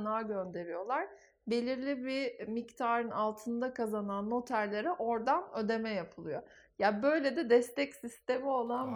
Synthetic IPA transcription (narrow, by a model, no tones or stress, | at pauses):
naːɟønd̪e̞ɾijo̞lˠaɾ̥ | be̞lʲiɾlʲibimict̪ʰaːɾɯnalˠt̪ʰɯnd̪akʰazananːo̞t̪ʰæɾlʲe̞ɾɛʔo̞ɾd̪anø̞d̪e̞mɛjapʰɯlˠɯjo̞jabø̞jlʲed̪ɛd̪ɛst̪ɛcsist̪e̞mio̞lˠan